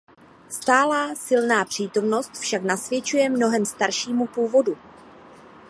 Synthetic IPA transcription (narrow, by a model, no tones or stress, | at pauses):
st̪aːlaːsɪlnaːpr̝̥iːt̪o̞mno̞st̪fʃaknasvjɛt͡ʃujɛmno̞ɦɛmst̪aɾʃiːmupuːvo̞du